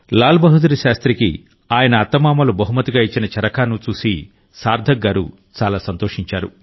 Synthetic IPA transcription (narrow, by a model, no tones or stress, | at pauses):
laːlbɐɦud̪uɾiʃaːst̪ɾikḭ | aːjɐnɐːt̪ːɐmaːmɐlubɐɦumɐt̪iɡaːit͡ʃːinɐt͡ʃɐɾɐkaːnut͡ʃuːsi | saːɾd̪ʱɐɡːaːɾṵ | t͡ʃaːlaːsɐnt̪oːʂiɲt͡ʃaːɾṵ